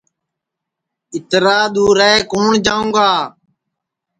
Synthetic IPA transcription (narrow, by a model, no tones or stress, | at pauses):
ɪt̪ɾaːɗ̪uːɾɛːkoːɳd͡ʒãːũːɡaː